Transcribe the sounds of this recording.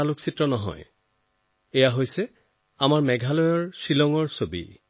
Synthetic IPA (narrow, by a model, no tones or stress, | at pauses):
aluksitɹɔnɔɦɔ̰j | ɛjaɦojsɛ | amaɹmɛɡʱalɔjɔɹsilɔŋɔɹsobḭ